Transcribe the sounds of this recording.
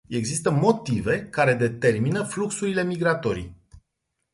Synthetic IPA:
e̞ɡzist̪əmo̞t̪ive̞kaɾe̞d̪e̞t̪e̞rminəfluksuɾile̞miɡɾat̪o̞ɾḭ

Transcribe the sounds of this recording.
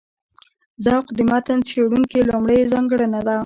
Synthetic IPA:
zɑqd̪ɪmɑt̪ant͡sxeɽuŋkilomɽəjzɑŋɡəɽanad̪a

